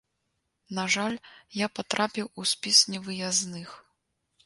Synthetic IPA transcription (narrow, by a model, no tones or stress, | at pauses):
naʐalʲjapat̪ɾʔapʲiwusʲpʲisnʲɛvɨjaznɨx